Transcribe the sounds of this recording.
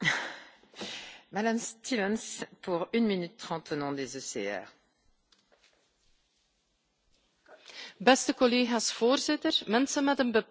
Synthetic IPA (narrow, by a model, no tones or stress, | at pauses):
mad̪amst̪ʰivɛnspuʁynminyt̪ːχɑ̃t̪onɔ̃d̪ezøsḛɛ̰ːʁ | bɛst̪əkɔleːɣaːsfoːrzɪt̪ərmɛnsənmɛtənbə